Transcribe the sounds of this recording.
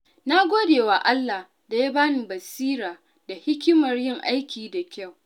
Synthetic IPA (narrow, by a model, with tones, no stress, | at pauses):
na˦ɡʷoː˦deː˨waː˨ʔa˦lːa˨h | da˨ja˦baː˦nɪ˨bɐ˨siː˦ɾaː˨ | da˨hɪ˦kʲɪ˦mɐ˨rjɪ˦˨ŋʔa˦jkʲiː˨da˨kʲa˦˨w